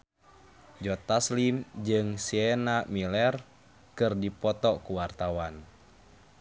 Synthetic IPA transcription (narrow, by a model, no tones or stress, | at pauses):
d͡ʒɔt̪aslimd͡ʒɨŋsiɛnamilɛr | kɨrdipɔt̪ɔkuwart̪awan